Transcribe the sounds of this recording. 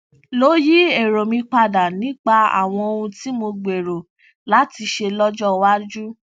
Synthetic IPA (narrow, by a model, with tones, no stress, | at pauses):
lo˦ji˦e˨ɾo˨mĩ˧k͡pa˧da˨nĩ˦k͡pa˧a̰˨w̃ɔ̃˧o˧ũ˧ti˦mo˧ɡ͡be˨ɾo˨ | la˨˦ti˧ʃe˧lɔ˦d͡ʒɔ˦wa˦d͡ʒu˦